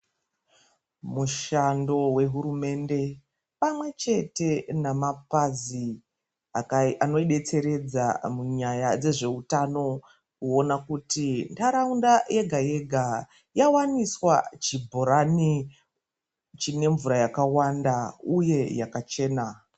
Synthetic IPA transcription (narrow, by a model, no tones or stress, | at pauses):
muʃando̞we̞ɦuɾume̞nde̞ | pamwe̞t͡ʃe̞te̞namapazi | akano̞iɗe̞t͡se̞ɾe̞d͡zamuɲajad͡ze̞ʐe̞utano̞ | uo̞nakutintaɾaundajʔe̞ɡʱaje̞ɡʱa | jawaniswa̰t͡ʃibʱo̞ɾani | t͡ʃine̞ɱvuɾajakawandauje̞jakat͡ʃe̞ːna